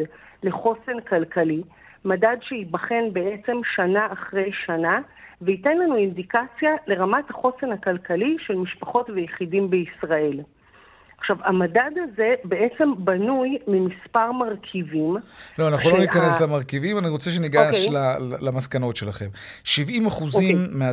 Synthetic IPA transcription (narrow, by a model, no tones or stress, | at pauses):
le̞χo̞senkalkʰali | madadʃeibaχe̞nbe̞ʔe̞t͡se̞mʃanaaχʁejʃanaveite̞nlanuindikat͡sjale̞ʁamathaχo̞se̞nhakalkaliʃe̞lmiʃpaχo̞tvejeχidimbeisʁae̞l | aχʃavamadadaze̞be̞ʔe̞t͡se̞mbanujmimispaʁmaʁkʰivimloanaχulo̞nikaneslamaʁkivimaniʁo̞t͡seʃ̬eniɡaʃlalamaskano̞tʃe̞laχe̞mʃivimaχuzimːea